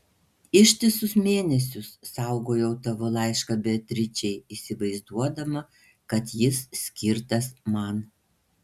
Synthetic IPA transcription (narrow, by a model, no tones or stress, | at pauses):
ɪʃʲt̪ʲɪsʊsmʲeːnʲɛsʲʊsːɐˑʊɡoːjɛʊt̪ɐʋʊlˠɑˑɪʃkɐbʲɛt̪ʲɾʲɪt͡ʃʲɛɪiːsʲɪʋɐɪzd̪uɔd̪ɐmɐ | kɐt̪jɪssʲkʲɪɾt̪ɐsmɐn